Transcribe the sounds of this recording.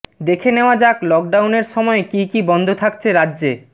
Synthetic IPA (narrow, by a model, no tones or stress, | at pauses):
d̪ekʰeneoad͡ʑaklɔk̚ɖawneɾʃɔmɔekikibɔnd̪ʱot̪ʰak̚t͡ɕʰeɾadːʑe